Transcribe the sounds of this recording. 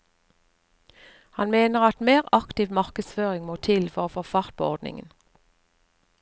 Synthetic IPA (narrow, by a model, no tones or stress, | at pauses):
hɑnmeːnəʁɑt̪meːʁɑkt̪ɪʋmɑʁkəsføːʁɪŋmoːt̪ʰɪlfɔʁoːfoːfɑʁt̪̚pʰoːɔʁd̪nɪ̰ŋə̰n